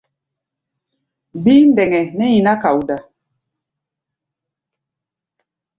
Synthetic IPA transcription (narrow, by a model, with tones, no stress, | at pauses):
bi˦ndɛ˨ŋɛ˨nɛ˦ji˨na˦ka˨wu˨da˨